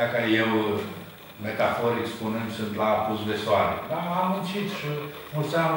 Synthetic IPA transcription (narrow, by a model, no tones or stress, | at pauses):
akajew | met̪afoɾikspunɨnd̪sunt̪lapusd̪esoaɾḛd̪aamɨnt͡ʃit̪ʃi | pusam